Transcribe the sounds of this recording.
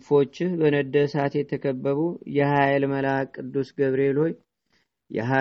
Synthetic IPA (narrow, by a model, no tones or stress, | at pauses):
fo̞t͡ʃːɪhbənəd̪ːəsat̪jɛt̪ʰəkʰəbːəβujɛhajlməlakʼɨd̪ːusɡəβɾe̞lo̞j | jɛ̰ɦa